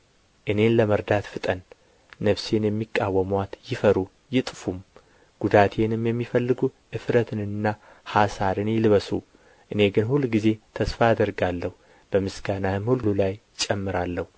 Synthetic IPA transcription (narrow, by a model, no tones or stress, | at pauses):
ʔɨne̞nləməɾd̪at̪fɨt̪ʼənː | əβse̞njɛmːikʼːawːəmwat̪jɪfəɾu | jɪt̪ʼfum | ɡ̥ud̪at̪ʰe̞nɨmjɛmːifəlːɨɡuʔɨfɾət̪ʰɨnɨnːa | hasaɾɨnjɪlβəsu | ʔɨne̞ɡɨnhulːɡize̞t̪ʰəsfaad̪əɾɡalːəhu | b̥əmɨsɡanamhullulaj | t͡ʃʼɛmːɨɾalːəhu